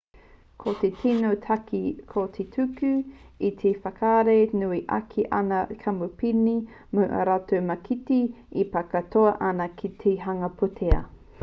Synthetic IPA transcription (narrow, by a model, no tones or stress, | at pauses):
kʰot̪etino | kʰot̪ʰetʰʉkʉit̪ʰefɐkʰaɾenuiʔa̰kʰiʔɐ̰nɐkʰɐmupini | muʔɐ̰ɾatomɐkʰiti | ipɐkɐtoɐʔɐnɐkʰit̪ʰeɦɐŋɐpʰutʰeɐ̰